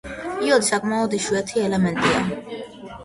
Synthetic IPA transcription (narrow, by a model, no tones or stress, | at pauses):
iɔd̪isakʼmaɔd̪iʃwɛt̪ʰiɛlɛmɛnt̪ʼia